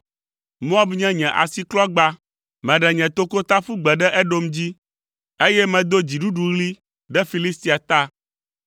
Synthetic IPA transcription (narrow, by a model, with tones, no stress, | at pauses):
mũ˦a˦bɲɛ̃˦ɲɛ̃˨ʔa̰˨si˦klɔ˦ɡ͡ba˦ | mɛ̃˨ɖɛ˨ɲɛ̃˨t̪o˦ko˦t̪a˦fu˦ɡ͡bɛ˨ɖɛ˦ʔɛ˦ɖo˦md͡ʑi˦ | e˦jɛ˦mɛ̃˨d̪o˦d͡ʑi˨ɖu˦ɖu˨ɣli˦ | ɖɛ˦fi˨li˦st̪i˨a˨t̪a˦